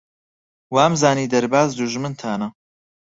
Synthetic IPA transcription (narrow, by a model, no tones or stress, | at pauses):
waːmzaːniːd̪ɐɾbaːzd̪uʒmɨnt̪ʰaːnɐ